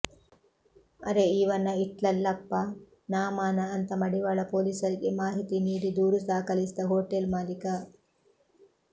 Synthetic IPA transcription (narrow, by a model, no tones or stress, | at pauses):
ɐɾeiːʋɐnːɐiʈlɐlːɐpːɐ | naːmaːnɐːnt̪ɐmɐɽiʋaːɭɐpoːliːsɐɾiɡemaːɦit̪iniːd̪id̪uːɾusaːkɐlisd̪ɐɦoːʈelmaːlikɐ